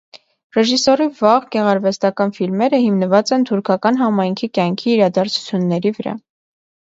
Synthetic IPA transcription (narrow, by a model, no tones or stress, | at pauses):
rɛʒisɔrivɑʁɡɛʁɑɾvɛst̪ɑkɑnfilmɛɾəhimnəvɑt͡sɛnt̪ʰuɾkʰɑkɑn̪ɦɑmɑjŋkʰikjɑŋkʰiːɾɑd̪ɑɾt͡sʰu̥t͡sʰjunːɛɾivəɾɑ̰